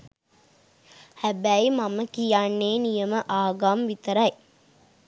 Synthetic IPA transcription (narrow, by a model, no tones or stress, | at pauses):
hæbæjmaməkijanːeːnijəməʔaːɡamʋit̪əɾɐj